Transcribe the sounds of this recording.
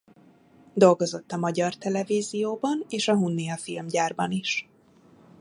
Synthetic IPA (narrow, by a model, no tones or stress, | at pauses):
d̪o̞lɡo̞zo̞t̪ːɒmɒɟɒrt̪ɛlɛviːzijoːbɒneːʃɒɦunːijɒfilmɟaːrbɒniʃ